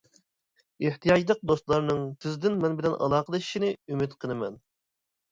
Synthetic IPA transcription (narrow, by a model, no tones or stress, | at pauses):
eht̪ʰijɑd͡ʒlˠəq̚d̪ost̪lˠɑɾnɨŋt̪ʰɪzd̪ɪnmɛnbɪlɛnʔɑ̰lˠɑːqʰəlˠɨʃi̥ʃinɪymɪt̪qʰənɨmɛn